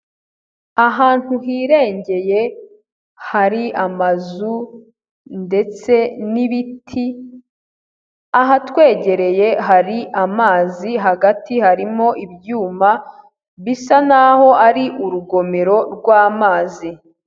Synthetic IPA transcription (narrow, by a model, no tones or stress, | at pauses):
aɦaːn̥huɦiːɾe̞ːɲɟe̞je̞ | haɾiʔamazu | nde̞t͡se̞niβitʰi | aɦatwe̞ːɟe̞ɾe̞je̞ɦaɾiʔamaːziɦaɡatihaɾimo̞ʔibjuːma | βisanaho̞ʔaɾiʔuɾuɡo̞me̞ɾo̞ɾɡwaːmaːzi